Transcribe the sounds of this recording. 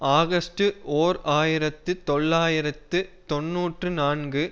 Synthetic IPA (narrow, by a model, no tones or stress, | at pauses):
aːɣɐsʈɯoːɾaːjɪɾɐt̪ːɯt̪ɔɭːaːjɪɾɐt̪ːɯt̪ɔnːuːʈrɯnaːnɡɯ